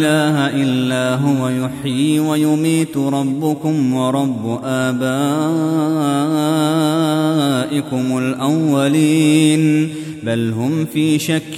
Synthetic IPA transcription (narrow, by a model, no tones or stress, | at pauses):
laːɦaʔɪlːaːɦʊwajʊħiːwajʊmiːt̪ɾˤɑbːʊkʊmwɑɾˤɑbːʊʔaːbaː | ʔɪkʊmʊlʔawːaliːn | balɦʊmfiːʃakː